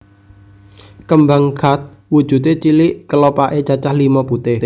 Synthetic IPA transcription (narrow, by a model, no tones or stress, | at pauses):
kəmbaŋkʰa̤t̪̚ | wud̥ʒ̥ṳt̪et͡ʃiliʔkəlopaʔet͡ʃat͡ʃahlimɔput̪ɪh